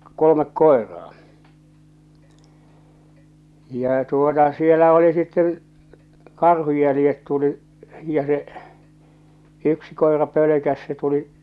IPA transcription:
kolomek koerɑː jɑˑ tuotɑ sielæ oli sitːẽː kɑrhuj jælĭjet tuliʔ jɑ seʔ yksi koe̝rɑ pøløkæs se tuliʔ

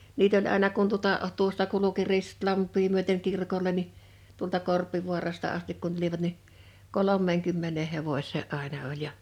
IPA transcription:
niːt olʲ ɑˑenɑ kun tuotɑ tuostɑ kuluki ristlɑmpˑiː myøteŋ kirkolʲe ni tuoltɑ korpiʋuɑrɑstɑ ɑstik kun tuliʋɑt ni kolomˑeːŋkymːeneː heʋosʲˑeː ʔɑˑenɑ olʲ jɑ

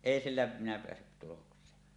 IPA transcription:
eˑi silːæ minæ peæsːyt tuloksˑeːn

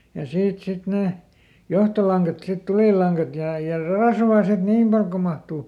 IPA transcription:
jɑ siːt sit neˑ johtolɑŋkɑt sit tuliˑlˑɑŋkɑt jɑ jɑ rɑsʋɑː sit niːm pɑl ko mɑhtuː

